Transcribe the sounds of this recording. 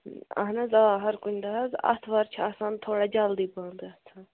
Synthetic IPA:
ɐ̰ɦnɐzaːɦɐɾkʊnʲd̪ɐɦɐzɐ̰t̪ʰʋɐɾt͡ʃʰaːsãːnt̪ʰoːɽad͡ʒaːld̪ibãːnd̪ɐt̪ʰã

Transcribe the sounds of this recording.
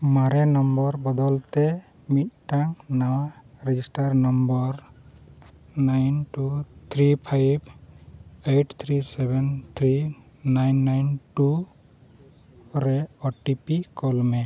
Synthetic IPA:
maɾɛnɔmbɔɾbɔd̪ɔlt̪ɛ | mit̪̚ʈaŋnawaɾɛd͡ʒisʈaɾnɔmbɔɾ | najnʈut̪ʰɾipʰajb | eʈʰt̪ʰɾisebɛnt̪ʰɾi | najnːajnʈu | ɾɛɔʈipikɔlmɛ

